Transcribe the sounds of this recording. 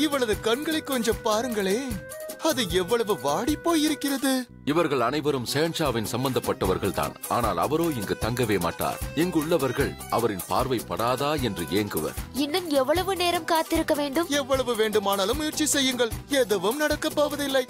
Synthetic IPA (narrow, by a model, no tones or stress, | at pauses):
ɪʋːɐɭɐðɯkɐɳɡɐɭɐɪkːɔɲd͡ʒɐpaːɾɯŋɡɐɭeː | ɐðɯɛʋːɐɭɐʋɯʋaːɽipːoːjɪɾɯkːɪrɐðɯ | ɪʋɐɾɣɐɭɐnɐɪʋɐɾɯmsɛjɐɳt͡ʃaːʋɪnsɐmbɐnd̪ɐpːɐʈːɐʋɐɾɣɐɭt̪a̰ːnaːna̰ːlɐʋɐɾoːɪŋɡɯt̪ɐŋɡɐʋeːma̰ːʈːa̰ːɾɪŋɡɯɭːɐʋɐɾɣɐɭɐʋɐɾɪnpa̰ːɾʋɐɪpːɐɽaːðaːɛndrɯeːŋɡɯʋɐ̰ɪnːɯmɛʋːɐɭɐʋɯneːɾɐmkaːt̪ːɪɾɯkːɐʋeːɳɖɯmɛʋːɐɭɐʋɯʋeːɳɖɯmaːnaːlɯmːʊjrt͡ʃːisɛjːɯŋɡɐɭɛðɐʋɯmnɐɽɐkːɐpːaːʋɐðɪlːɐɪ